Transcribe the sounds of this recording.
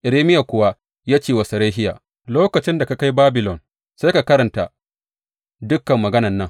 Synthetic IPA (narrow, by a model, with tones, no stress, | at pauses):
ʔɪ˨ɾeː˦mɪ˦ja˨kʷʊ˨wa˦ | jaː˦t͡ʃeː˨wɐ˨sɐ˨ɾeː˦ɦɪ˦ja̰ː˨ | loː˦kɐ˨t͡ʃɪ˦nda˨ka˨ka˦jbaː˦bɪ˨lɔ˨n | sa˦ka˨kɐ˦ɾɐ˨nta˨ | dʊ˦kːɐ˨mːɐ˨ɡɐ˦nɐ˨nːɐ˦ŋ